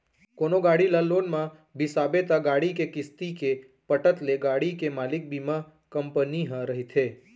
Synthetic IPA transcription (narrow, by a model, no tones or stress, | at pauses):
konoɡaɽilalonmã | bʱisabet̪aɡaɽikekɪst̪ike | pəʈət̪leɡaɽikemalɪk̚bimã | kəmpəniɦə̃ɾəɦit̪ʰe